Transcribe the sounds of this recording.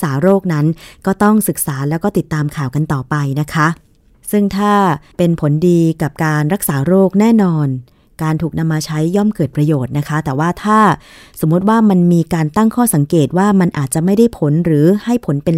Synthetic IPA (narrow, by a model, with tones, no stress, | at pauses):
saː˩˦ɾoː˥˩k̚na˦˥nkɔː˥˩t̪ɔ˥˩ŋsɯ˨˩k̚saː˩˦lɛː˦˥wkɔː˥˩t̪i˨˩t̪ːaː˧mkʰaː˨˩wka˧nt̪ɔː˨˩pa˧jna˦˥kʰa˦˥ | sɯ˥˩ŋt̪ʰaː˥˩pe˧npʰo˩˦ndiː˧ka˨˩p̚kaː˧nɾa˦˥k̚saː˩˦ɾoː˥˩k̚nɛː˥˩nɔː˧n | kaː˧nt̪ʰuː˨˩k̚na˧mːaː˧t͡ɕʰa˦˥jːɔ˥˩mkɤː˨˩t̪̚pɾa˧joː˨˩t̪̚na˦˥kʰa˦˥t̪ɛː˨˩waː˥˩t̪ʰaː˥˩ | so˩˦mːu˦˥t̪̚waː˥˩ma˧nmiː˧kaː˧nt̪a˥˩ŋkʰɔː˥˩sa˩˦ŋkeː˨˩t̪̚waː˥˩ma˧nʔaː˨˩t̪̚t͡ɕa˨˩ʔma˥˩jda˥˩jpʰo˩˦nɾɯː˩˦ha˥˩jpʰo˩˦npe˧